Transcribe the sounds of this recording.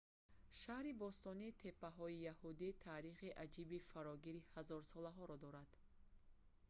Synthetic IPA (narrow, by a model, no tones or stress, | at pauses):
ʃahɾibɔst̪ɔnit̪ʰe̞pːaɦɔijahud̪it̪ʰaːɾiχiʔad͡ʒibifaɾɔɡiɾihazɔɾsɔlaɦɔɾɔd̪ɔɾad̪̥